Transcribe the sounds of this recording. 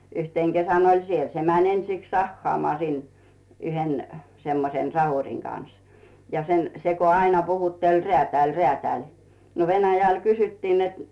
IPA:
yhteŋ ɡ̊esæn olʲ siel se mænʲ ensiks sɑhːɑːmɑː sin yhen semːosen sɑhurʲiŋ kɑn̞s jɑ sen se ko ɑinɑ puhutːelʲ reæˑtæˑlʲ reæˑtæˑlʲ no ʋenæjæl kysytːiː net

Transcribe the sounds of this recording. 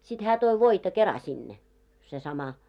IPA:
sit hæː toi ʋoitɑ kerɑ sinːe se sɑmɑ

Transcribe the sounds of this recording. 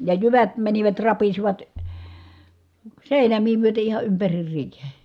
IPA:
jɑ jyʋæt mæniʋæt rɑpisiʋɑt seˑinæmiː myøte ihɑ ympærir riːhe

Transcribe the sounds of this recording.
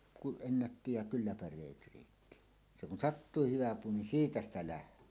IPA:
kuʔ ʔenːætːi jɑ kylːæ pærˑeːt riːtːi se kun sɑtːuːhih hyʋæ puː nin siːtæ stæ læhtˑøː

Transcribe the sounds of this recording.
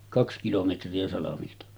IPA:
kɑks kilometriæ sɑlɑmiltɑ

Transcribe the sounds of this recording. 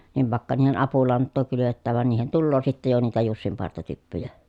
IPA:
niʋ ʋɑˑekːɑ niːhen ɑpulɑntːoː kylyʋetːæːʋ ʋɑn niːhen tulːoː sitːej jo niːtæ jusːimpɑrtɑtypːyjæ

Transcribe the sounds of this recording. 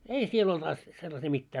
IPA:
ei siel olt ɑs selːɑsiː mitːæː

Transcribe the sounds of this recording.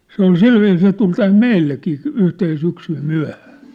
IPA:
se ol silʋiːs se tul tæm meilːekiː yhten syksym myæ̝hæ̥ː

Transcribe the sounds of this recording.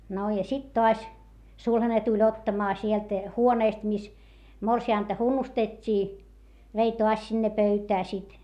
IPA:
no jɑ sit toɑs sulhɑne tulʲ otːɑmɑː sielt huoneˑst mis morsiɑˑntɑ hunːustetʲːiː ʋei toɑs sinːe pøytæː sit

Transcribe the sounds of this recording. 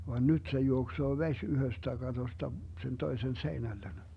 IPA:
ʋɑ nyt se juoksoː ʋesʲ yhøstæ kɑtostɑ sen toisen seinælːen

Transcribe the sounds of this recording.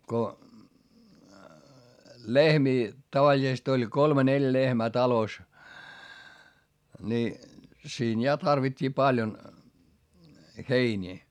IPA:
ko lehmiː tɑʋɑlʲisest olʲ kolme neljæ̆ lehmæː tɑlos ni siːn jɑ tɑrʋitʲːiː pɑljon heinʲiː

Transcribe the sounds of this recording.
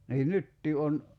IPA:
niːn nytːiː on

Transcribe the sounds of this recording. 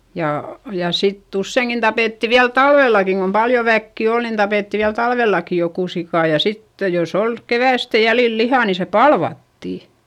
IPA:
jɑ jɑ sitː usːeiŋkin tɑpeˑtːi ʋiæl tɑlʋelːɑkiŋ kom pɑljo ʋækːi ol nin tɑpeˑtːi ʋiæl tɑlʋeˑlːɑki jokuˑ sikɑˑ jɑ sitːe jos ol keʋæˑstæ jælil lihɑˑ ni se pɑlʋɑtːiˑ

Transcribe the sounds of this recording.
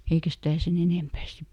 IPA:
eikæ stæˑ sen eneˑmpæː sip

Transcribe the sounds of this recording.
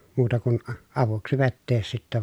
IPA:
muːtɑ kun ɑʋuksi ʋetːeːs sitːɛ

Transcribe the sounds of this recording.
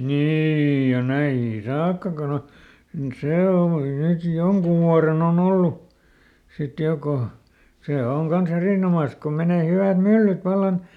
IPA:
niːij jɑ næihiŋki sɑːkːɑ kon o seˑ homːɑki nyt joŋkuʋ ʋuɑren on olːu sit jo ko seˑ oŋ kɑn̞s eriˑnomɑˑs ko meneˑ hyʋæˑt mylːyt ʋɑlːɑn

